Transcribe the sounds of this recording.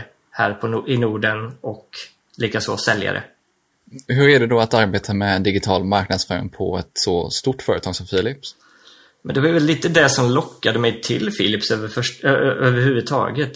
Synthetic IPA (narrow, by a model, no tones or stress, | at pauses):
hæːɾpʰɔʔɪnuːɖənɔk | liːkaso̰ːsɛlja̰ɾə̰ | ɦɵɾæɖɛd̪ɔat̪aɾbeːt̪ʰamɛd̪ɪɡɪt̪ʰɑːlmaɾknad̪sfœːɾɪ̰ŋpʰɔ̰ɛt̪sɔst̪ʊʈːfœːɾət̪ʰɑːɡsɔmfiːlɪps | mɛnd̪ɛvajvɛlːiːt̪əd̪ɛsɔmlɔkːad̪əmɛjt̪ʰɪ̰lfɪlɪpsøvəfœʂøːvəɾhʉ̟vɵt̪ʰɑ̰ːɡət̪